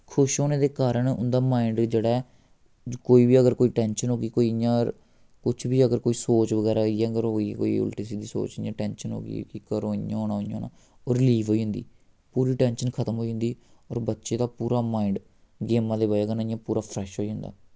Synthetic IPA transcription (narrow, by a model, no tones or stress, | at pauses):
kʰʊʃɦoːneːd̪eːkaːɾəɳʊ̰nd̪aːmaːɪɳɖd͡ʒeːɽaːɛ | koːiːbiːəɡəɾkoːiːʈɛːnʃənɦoːɡiːkoːiãːɾ | kʊt͡ʃʰbiːəɡəɾkoːiːsoːt͡ʃʋəɡɛːɾaːiɛ̃ɡəɾɦoːiːko̰ːḭːʊ̰lʈiːs̬iːd̪iːso̰ːt͡ʃːãːʈɛːnʃənɦo̰ːɡḭkikəɾõːã̰ːɦoːnaːojãːoːna̰ː | ɔːɾliːʋɦoːiːɦʊ̃nd̪ḭː | puːɾiːʈɛ̃ːnʃənkʰət̪əmɦoːiɦʊ̃nd̪iː | ɔːɾbətːʃeːd̪aːpuːɾaːmaːɪɳɖ | ɡeːmãːd̪eːbaeːɡənaːɪ̃jãːpuːɾaːpʰɾɛːʃɦoːiːɦʊ̃nd̪a̰ː